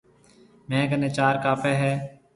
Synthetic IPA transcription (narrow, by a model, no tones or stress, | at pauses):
mɛ̃ːkəneːt͡ʃaːɾkaːfeːɦɛː